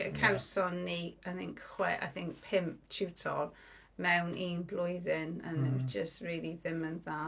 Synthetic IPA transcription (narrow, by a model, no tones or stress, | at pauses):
ə̰kʰawsɔnːiaθɪ̃ŋkχwɛʔa̰jθɪ̃ŋk̚pʰɪmpt͡ʃʰutʰɔ̰r | mɛwnʔiːnblˠʊjðɪnə̰nd͡ʒəstɹiːlˠiðɪmənðaː